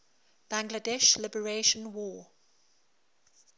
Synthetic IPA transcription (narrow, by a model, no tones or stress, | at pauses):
b̥æ̃ŋɡlədɛʃlɪbəɹeʃə̃nwɔː